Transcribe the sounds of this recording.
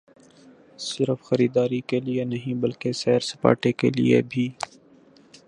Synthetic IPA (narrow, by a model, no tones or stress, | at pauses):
sɪɾfxɐɾiːd̪aːɾikelienɐɦĩbɐlkesɛːɾsɐ̥pa̰ːʈekelḭḛbʱiː